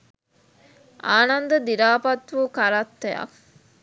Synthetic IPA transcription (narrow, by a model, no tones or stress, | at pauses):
ʔaːnɐnd̪ɐd̪iɾaːpɐt̪ʋukaɾat̪ːeja̰